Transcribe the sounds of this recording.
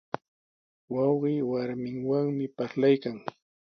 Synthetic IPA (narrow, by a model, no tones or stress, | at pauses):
wɑwɢiːwaɾmɪŋwaŋmɪpaɾlajkaŋ